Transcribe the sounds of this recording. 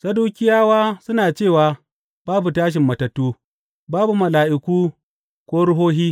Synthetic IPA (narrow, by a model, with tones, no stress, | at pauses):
sɐ˦duː˦kʲɪ˦jaː˦waː˦sʊ˦naː˨t͡ʃeː˦˨waː˨ | baː˦bu˨taː˦ʃ̬ɪ˨mːɐ˨tɐ˨tːuː˦ | baː˦bu˨mɐ˨laː˨ʔɪ˨kʷuː˦ | kʷoː˦ɽʊ˦ɦoː˦ɦiː˦